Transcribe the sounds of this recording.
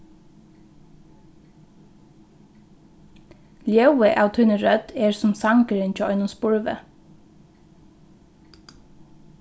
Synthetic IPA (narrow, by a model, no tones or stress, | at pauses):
ljɑʉəʔɑːʋt̪ʰʉnəɾœt̪eːɹsʊmsɑŋkəɾɪnt͡ʃʰoːʔɔʏnʊmspʊɹʋə̰